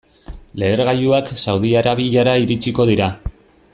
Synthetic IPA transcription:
le̞ːɾɣaʎuaksawðiaɾaβiʎaɾaiɾit͡ʃiko̞ð̞iɾa

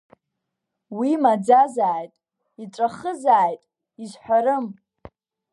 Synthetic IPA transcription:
wimad͡zazaːjtʼ | iʈ͡ʂʷʼaχəzaːjtʼ | izħʷᶣaɾɨm

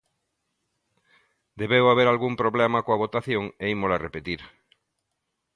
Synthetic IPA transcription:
d̪eβewaβeɾalɣumpɾoβlemakoaβot̪aθjõŋeimolarepet̪iɾ

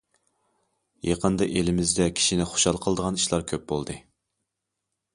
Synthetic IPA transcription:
jʔeqənd̪ɨʔelɪmɪzd̪ɛkʲʰi̥ʃinɪχo̥ʃɑlˠqʰəlˠd̪əʁɑniʃlˠɑɾkʲʰøp̚bolˠd̪ɨ

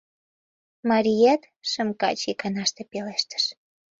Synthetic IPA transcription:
mɑɾʲijɑt̪ | ʃəmkɑ̰t͡ɕikɑnɑʃt̪epeleʃt̪ə̥ʃ

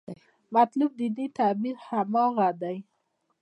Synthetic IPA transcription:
mat̪lub̚d̪init̪abiɾhamɔɣad̪aj

